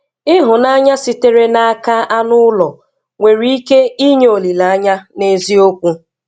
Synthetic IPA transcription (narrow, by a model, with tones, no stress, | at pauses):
ɪ˦ɦʊ˨na˦ɲa˦si˨te˦ɾe˦na˦a˦ka˦a˦nʊ˦lɔ˨ | ŋʷe˨ɾi˦i˦ke˦i˦ɲe˦o˨li˨la˨a˦ɲa˦ne˦zi˦o˦kʷu˦